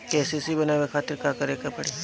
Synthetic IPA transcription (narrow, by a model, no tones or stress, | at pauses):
kɛːsesibɐnaːʋekʰaːt̪ɪɾkakɐɾekɐpɐɽe